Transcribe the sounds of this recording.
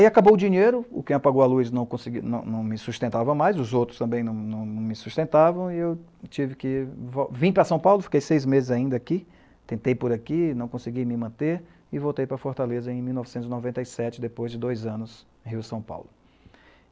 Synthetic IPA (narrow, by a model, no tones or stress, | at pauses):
aiakabowʊd͡ʒiɲejɾʊʊ̰kẽj̃apaɡowalujznɐ̃w̃kõsɪɡinɐ̃w̃nɐ̃w̃mɪsust̪ẽnt̪avɐ̃w̃majzʊzowt̪ɾʊst̪ɐ̃bẽj̃nɐ̃w̃nɐ̃w̃nɐ̃w̃mɪsust̪ẽnt̪avɐ̃w̃ɪewt͡ʃivɪkɪvɔvĩpɾɐsɐ̃w̃pawlʊfi̥kejsejzmezɪzaĩnd̪ɐaki | t̪ẽnt̪ejpʊɾakinɐ̃w̃kõsɪɡijmɪmɐ̃t̪eɾ | ɪvowt̪ejpɾɐfoɾt̪alezɐẽj̃miwnɔvɪsẽnt̪ʊzɪnɔvẽnt̪ɐjsɛt͡ʃɪd̪epojzd͡ʒɪd̪ojzɐ̃nʊs | hiwsɐ̃w̃pa̰wlʊ